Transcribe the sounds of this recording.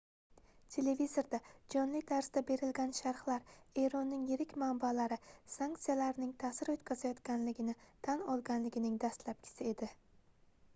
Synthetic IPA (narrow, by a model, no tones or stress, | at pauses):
t̪ʰe̞le̞vizo̞ɾd̪ad͡ʒɒnlɪd̪ʰaɾsd̪abe̞ɾɪlɡʲanʃaɾχlaɾe̞ɾɒnːɪŋjɪɾɪkʲmambalaɾɪsaŋk̚t̪sijalaɾnɪŋt̪ʰasɪɾot̪kʲʰazajɒt̪kʲanlɪɡʲɪnɪt̪ʰanɒlˠɡʲanlɪɡʲɪnɪŋd̪ast̪lap̚kʲʰɪ̥sɪe̞d̪ɪ